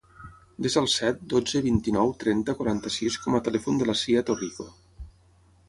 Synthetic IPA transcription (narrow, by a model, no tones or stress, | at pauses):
d̪ezəlˠsɛt̪̚d̪od͡zəβint̪inɔwt̪ɾɛnt̪əkwaɾant̪əsiskɔmat̪əlɛfund̪əlasiat̪oriko